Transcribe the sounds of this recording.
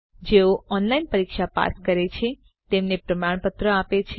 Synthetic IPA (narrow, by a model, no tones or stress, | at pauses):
d͡ʒeoɔnlainpəɾikʃapa̰skəɾet͡ʃʰe | t̪emnepɾəmaɳ̃pət̪ɾəapet͡ʃʰe